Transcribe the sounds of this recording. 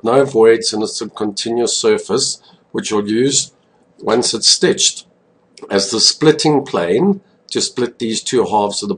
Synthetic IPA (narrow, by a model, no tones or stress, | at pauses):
noʊvɔɪdzɨ̃nəsʌb̚kʰə̃ntʰɪ̃njʉəsɜˑ˞fəs | wɨt͡ʃəlˠjʉːzd | wʌ̃nsɨtstɪt͡ʃt | ɨzðəsplɪɾɪ̃ŋpʰl̥ḛ̃ɪ̃n | tʰɨsplɪt̪̚ðiz̥tʰʉɦɑˑfz̥ʌðə